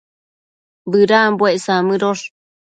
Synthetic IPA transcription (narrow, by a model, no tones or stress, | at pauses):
bɨɾambweʔsamɨ̃ɾoʂ